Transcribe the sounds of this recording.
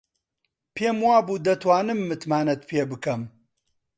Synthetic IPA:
pʰeːmwaːbuːd̪ɐt̪ʰwaːnɨmːɨt̪maːnɐt̪̚pʰeːbɨkɐm

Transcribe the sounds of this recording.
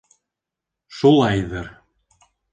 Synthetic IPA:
ʃulˠɑjðɤ̆ɾ

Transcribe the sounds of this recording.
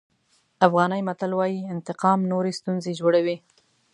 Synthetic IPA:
afɣɑnəjmat̪alwɑjiɪnt̪ɪqɑmnoɾest̪unzed͡ʒwoɽawi

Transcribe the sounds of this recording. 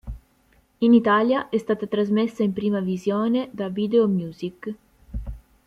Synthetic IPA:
init̪aːljaʔɛst̪aːt̪at̪ɾazmesːaimpɾiːmavizjɔːned̪avid̪eomjuːzik

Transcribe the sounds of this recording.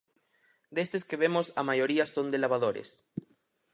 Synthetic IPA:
d̪est̪eskeβemosamaʝoɾiasond̪elaβaðoɾḛs

